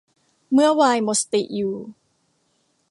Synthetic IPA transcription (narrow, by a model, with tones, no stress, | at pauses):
mɯ˥˩ɐwaː˧jmo˨˧˥st̪i˨˩ʔjuː˨˩